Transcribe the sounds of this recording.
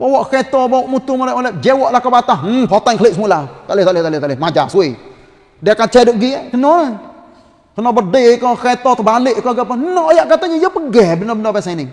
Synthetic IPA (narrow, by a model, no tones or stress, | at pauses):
bawɔʔkɛt̪ɔbawɔʔmut̪ʊŋɔlɛʔolɛʔd͡ʒɛwɔʔlahkabat̪ah̩pɔt̪aŋkəlɪʔsəmulat̪aʔlɪt̪aʔlet̪aʔlɪt̪aʔlɪmad͡ʒa̰sui | diakat͡ʃɛdʊʔɡiakənɔa | kənɔbərdɪkɔkɛt̪ɔt̪əbalɪʔkɔɡapanɔʔjaʔkat̪aɲajapəɡɛbənɔbənɔpɛnsanɪŋ